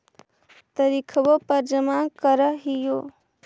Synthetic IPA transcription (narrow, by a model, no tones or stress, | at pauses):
t̪ɐɾikʰəʋopɐɾd͡ʒəmãːkəɾəɦijoː